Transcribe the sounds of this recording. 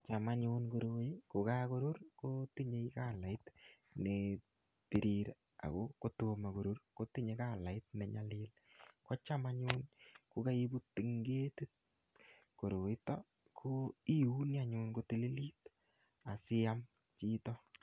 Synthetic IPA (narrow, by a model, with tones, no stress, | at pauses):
t͡ʃa˨ma˦ɲunko˨ɾu˨e˦ko˨ka˦ko˦ɾu˦ɾkoti˦ɲe˦ka˦˨la˨ɪ˦t | ne | ti˨ɾiɾ | a̰˨ko˦ko˦to˧ma˨ko˨ɾu˦rko˦ti˦ɲe˨ka˦˨la˨ɪ˦t̚ne˨ɲa˨lɪ˦l | kɔ˦t͡ʃa˦ma˦ɲu˦nku˦ka˦i˦bu˦ti˨ŋɡe˦ti˦t̚ | ko˨ɾu˨ɪ˦tɔ˦ | kʰo˦i˦u˦nja˦ɲunko˦ti˦li˦li˦t | a˨sɪ˦a˦m | t͡ʃi˦tɔ˦